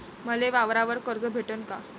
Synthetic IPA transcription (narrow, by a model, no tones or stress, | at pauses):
məleʋaʋɾaʋəɾkəɾd͡zəːbʱeʈənka